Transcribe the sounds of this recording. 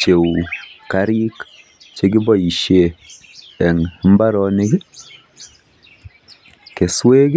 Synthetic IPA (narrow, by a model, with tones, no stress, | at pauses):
t͡ʃe˨wka˦ɾi˦k | t͡ʃe˦ɡɪ˦bɔ˦i˨ʃe˦˨ | ɛ˨ŋmba˦ɾɔ˨nɪ˦ɡɪ˦ | ke˨swe˦ɡ